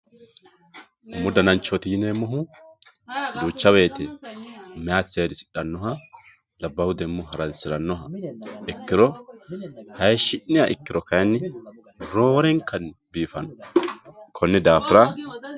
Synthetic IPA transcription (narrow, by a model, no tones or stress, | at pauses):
mʊd̪ɐnɐnt͡ʃːɔt̪ɪjɪneːmɔɦʊ | d̪uːt͡ʃːɐβe̞ːt̪ɛ | mɛjaːt͡sːeːd̪ɪsɪ̥ᶑɐnːɔɦɐ | lɐbːɐhʊd̪ɛmːʊɦɐɾɐnsɪɾɐnːɔɦɐɛkːɪɾɔ | hɐjʃɪʔːɪjaʔɪkːɪɾɔkɐjnːɪ | ɾo̞ːɾɛŋkɐnbiːfɐnɔ | kʰɔnːɛd̪aːfɪɾa